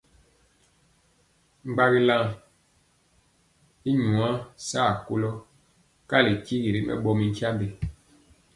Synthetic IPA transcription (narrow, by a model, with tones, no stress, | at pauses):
ŋ͡mɡ͡ba˦ɣi˦la˦ŋ | i˦ɲu˨a˦saː˦˨ku˦lɔ˦ | ka˦˨li˨ki˦ɣi˨ɾi˨mʔɛ̰˦˨ɓɔ˦mi˨ŋ̩˦kja˦mbe˨